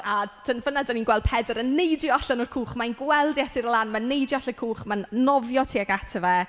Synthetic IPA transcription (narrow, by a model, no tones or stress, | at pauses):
ad̥ənvənadaninɡwɛld̥̚pʰɛdəɾənːejdjɔɬənɔrkʰuːχmanɡwɛlˠdjɛsɪɾəlˠanmanːejdjɔɬəkʰuːχmannɔvjɔtʰiːaɡatʰəvɛ